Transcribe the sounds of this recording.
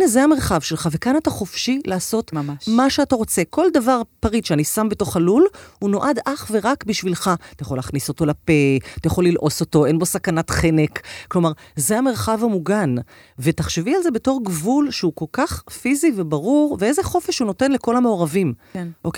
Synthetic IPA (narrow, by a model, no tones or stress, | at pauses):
nezeame̞ʁχavʃelχave̞kanataχo̞fʃilaːso̞tmaʃeataʁo̞t͡se̞kʰo̞ldavaʁpaʁid̪ʃeanisambe̞to̞χalulhuno̞ʔadaχve̞ʁakbiʃvilχat̪ajaχo̞laːχniso̞to̞lapet̪ajaχo̞lːilʔo̞so̞to̞e̞nbo̞sakanatχenekklo̞maʁzeame̞ʁχavamuɡan | vetaχʃevialze̞be̞to̞ʁɡvulʃeukolkaχfizivebaʁuʁveezeχo̞fe̞ʃhuno̞te̞nle̞ko̞lameoʁavimʔok